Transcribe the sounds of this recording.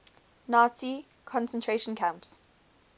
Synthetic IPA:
naːsi | kʰɔ̃nsə̃ntʰɹeʃə̃nkʰãmps

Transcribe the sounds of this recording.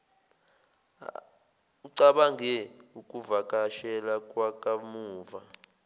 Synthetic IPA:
uǀaɓaŋɡʱɛukʼuvakʼaʃɛlakʼwakʼamuːva

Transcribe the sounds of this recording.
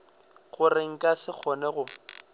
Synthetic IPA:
ɣʊrɪŋ̩kʼasɪk͡xʰɔnɛɣʊ

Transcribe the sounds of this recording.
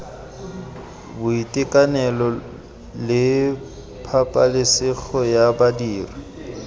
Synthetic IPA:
bʊitʼɪkʼanɛlɔ | lɪ | pʰapʼalɪsɪk͡xʰɔjabadiːri

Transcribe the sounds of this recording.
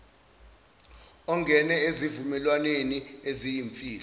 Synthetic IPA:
ɔŋɡʱɛnɛezivumɛlwaneniezijiɱfʼiːlɔ

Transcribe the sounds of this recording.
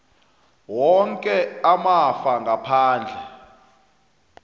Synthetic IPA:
wɔŋkʼɛamafaŋɡʱapʰaːnd͡ɮʱɛ

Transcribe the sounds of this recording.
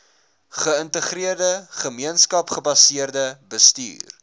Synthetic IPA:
χəəntəχriərdəχəmiənskɐpχəbɐsiərdəbəstḭːr

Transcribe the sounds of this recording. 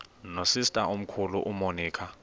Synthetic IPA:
nosistʼaʔom̩kʰuluʔumoniːkʰa

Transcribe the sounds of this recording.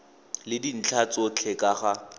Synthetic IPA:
lɪdin̩t͡ɬʰat͡sɔt͡ɬʰɛkʼaχa

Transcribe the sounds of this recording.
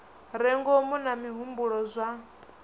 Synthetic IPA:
ɾɛŋɡɔmunamiɦumbuɺɔzʷa

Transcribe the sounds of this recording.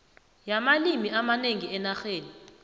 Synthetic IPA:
jamalimiamaneŋiɛnaxeːni

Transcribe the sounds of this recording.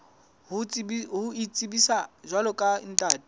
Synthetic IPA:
ɦuit͡sʼibisaʒwalɔkʼa̰n̩tʼaːtʼi̥

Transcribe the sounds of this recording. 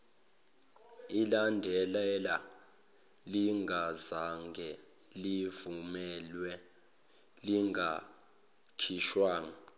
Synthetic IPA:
ilandʱɛlɛla | liŋɡʱazaŋɡʱɛ | livumɛlwɛ | liŋɡʱa | kʰiʃwaːŋa

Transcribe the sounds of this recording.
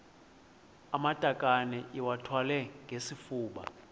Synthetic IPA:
amad̥ʱakʼanɛʔiwatʰwalɛŋɡʱesifuːɓa̰

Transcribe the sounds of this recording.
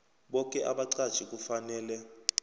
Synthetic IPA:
ɓɔkʼɛʔaɓaǀad̥ʒ̥ʰʱʼik̬ʼufanɛːlɛ

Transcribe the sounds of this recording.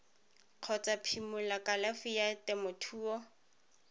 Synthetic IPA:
q͡χʰɔt͡sapʰimʊlakʼalafijatɪmʊtʰuːɔ

